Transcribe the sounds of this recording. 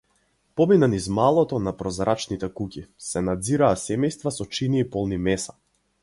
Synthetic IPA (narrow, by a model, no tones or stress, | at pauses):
pɔminanizmalˠɔt̪ɔnapɾɔzɾʔat͡ʃnit̪ɛkukʲisɛnad̪ziɾaːsɛmɛjst̪vasɔt͡ʃiniːpɔlˠnimɛsḁ